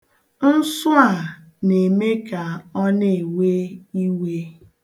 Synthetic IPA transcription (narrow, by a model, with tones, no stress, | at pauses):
n̩˦sʊ˦a˨ | ne˨me˦ka˨ɔ˦ne˨we˦i˦we˦